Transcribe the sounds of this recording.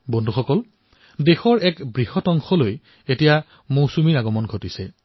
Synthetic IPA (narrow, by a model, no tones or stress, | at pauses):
bɔndʱuxɔkɔl | dexɔɹɛkbɹihɔtɔŋxɔloj | etija | mowsumiaɡɔmɔnɡʱotisɛ